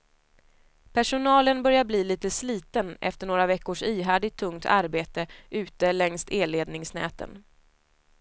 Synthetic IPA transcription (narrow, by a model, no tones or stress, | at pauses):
pʰæʂʊnɑːlənbœɾjabliːliːt̪əsliːt̪ənʔɛ̰ft̪əɳoːɾavɛkːʊʂiːɦæːɖɪt̪ʰːɵŋt̪ʰa̰ɾbeːt̪əʔʉ̟ːt̪əlɛŋst̪eːleːd̪nɪŋsnɛ̰ːt̪ə̰n